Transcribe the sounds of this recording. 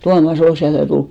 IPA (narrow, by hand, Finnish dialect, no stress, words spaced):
tuɑmɑs ol siæl jɑ tul